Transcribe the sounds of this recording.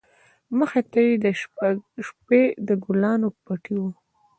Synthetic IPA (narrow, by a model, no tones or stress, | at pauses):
məxet̪ajed̪əʃʃped̪əɡʊlɑnopaʈiwu